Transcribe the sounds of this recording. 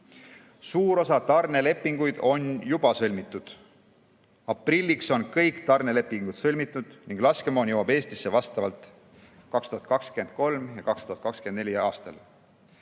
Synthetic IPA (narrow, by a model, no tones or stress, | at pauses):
suːɾo̞sɑt̪ɑrne̞le̞pːiŋɡ̥ujd̪̥o̞njub̥ɑsɤlʲmit̪ːˑud̪̥ | ɑprilʲːikso̞nkɤjkt̪ɑrne̞le̞pːˑiŋɡ̥ut̪sɤlʲmit̪ːˑud̪̥niŋɡ̥lɑske̞moːnjowɑbe̞ːst̪isːe̞vɑst̪ɑvɑlt̪ˑ | kɑkst̪uhɦɑt̪̚kɑkskye̞nd̪̥̚ko̞lmjɑkɑkst̪uhɑt̪kɑkskend̪nelʲijɑːst̪ɑl